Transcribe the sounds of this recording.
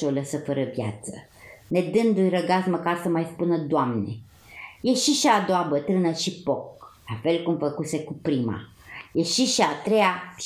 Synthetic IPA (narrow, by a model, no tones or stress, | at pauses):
oləsəfəɾəvja̰t̪sə | ne̞d̪ɨnd̪ujrəɡasməkarsəmajspunəd̪oamnḛ | je̞ʃiʃiad̪oabət̪ɾɨnəʃipoklafe̞lkumfəkuse̞kupɾima̰ | jeʃiʃiat̪ɾe̞ja